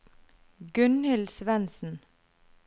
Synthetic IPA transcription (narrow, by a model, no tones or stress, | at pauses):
ɡʉnhɪlsʋɛnsn̩